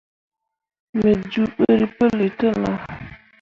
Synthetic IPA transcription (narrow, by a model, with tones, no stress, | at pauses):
me˨d͡ʒu˨ɓə˦ɾi˨pə˦li˨tə˦la˨